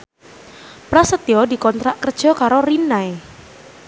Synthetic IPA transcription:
pɾasət̪iɔdi̤kɔnt̪ɾaʔkərd̥ʒ̥ɔ̤kaɾoɾinae

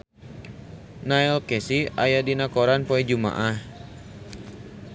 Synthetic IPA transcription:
naɛlkɛsiajadinakɔɾanpoɛd͡ʒuma̰ʔah

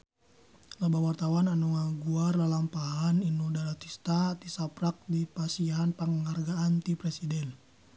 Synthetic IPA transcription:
labawart̪awananuŋaɡuarlalampaɦaninudaɾat̪ist̪at̪isapɾak̚dipasiɦanpaŋəŋarɡaːnt̪ipɾɛsidɛn

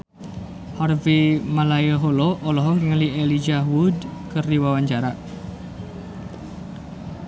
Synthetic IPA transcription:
hɔrvimalajəɦoloʔːlɔɦɔŋɡəŋəlielid͡ʒaɦwud̪kərdiwawaɲt͡ʃaɾaʔ

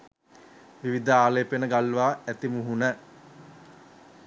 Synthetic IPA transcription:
ʋiʋid̪əaːleːpenəɡalʋaːæt̪imuɦunə

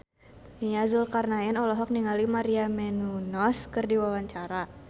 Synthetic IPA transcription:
niazulkarnaɪnɔlɔɦɔk̚niŋalimaɾiamɛnunɔskɨrdiwawaɲt͡ʃaɾa

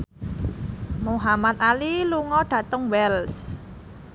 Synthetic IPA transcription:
moɦamat̪̚aliluŋɔɖ̥ä̤t̪əŋwɛls

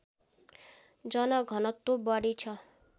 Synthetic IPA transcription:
d͡ʒɔnɔɡʱʌnɔt̪ːubɔɽit͡ʃʰɔ

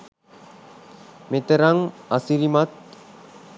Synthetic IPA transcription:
met̪eɾaŋasiɾimat̪̚

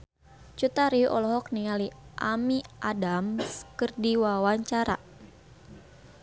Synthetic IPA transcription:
t͡ʃut̪aɾiʔɔ̰lɔɦɔk̚niŋaliʔamiʔadamskərdiwawaɲt͡ʃaɾa̰

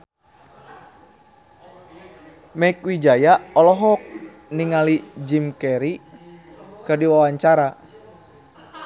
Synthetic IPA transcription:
mɛikwid͡ʒajaɔlɔɦɔk̚ | niŋalid͡ʒimkɛɾi | kɨrdiwawaɲt͡ʃaɾa

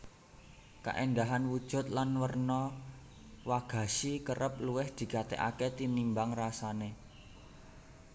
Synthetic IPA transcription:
ka̰ʔɛnd̪aɦanwud̥ʒ̥ṳt̪̚lanwərnɔ | waɡ̥a̤ʃikərəp̚luwɪhd̪̥i̤kat̪ɛ̰ʔa̰ket̪inimbaŋrasane

